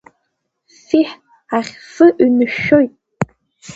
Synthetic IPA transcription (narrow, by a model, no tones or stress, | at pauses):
siħ | aχʲsɨʔɥnɨʃojtʼ